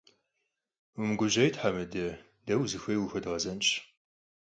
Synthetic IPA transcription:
umɨɡʷʊʑɐjtħamɨdɐ | dɐwzɨxʷɐjwʊxɐdʁɐzɐnt͡ʃʼ

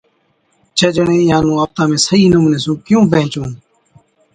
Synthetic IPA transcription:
t͡ʃʰəd͡ʒəɳẽːɪjãːnũːaːp̚t̪ãːmẽːsəiːnʊmnẽːsũːkɪjũːpẽɦɪ̃t͡ʃõː

